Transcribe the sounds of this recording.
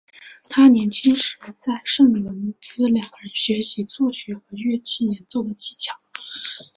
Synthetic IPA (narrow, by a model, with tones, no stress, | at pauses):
t̪ʰa˥njɛ˧˥nt͡ɕʰi˥ŋʂɻ̩˨˧˥t͡sa˥˧ɪʂɤ˥˩ŋ˨˩ə˧˥nt͡sɹ̩˥ljɑ˨˩ŋɡə˦ɻə˧˥nɕɥɛ˧˥ɕi˧˥t͡swɔ˥˩ɕɥɛ˧˥xɤ˧˥ɥɛ˥˧t͡ɕʰi˥˩jɛ˧˥nt͡so˥˩ʊd̪ə˩t͡ɕi̥˧˥t͡ɕʰjɑ˨˩˦ʊ